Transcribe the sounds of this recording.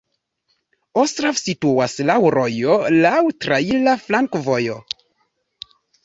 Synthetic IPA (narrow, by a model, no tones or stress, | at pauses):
ostɾavsituaslawɾo̞jolawtɾailaflaŋkvojo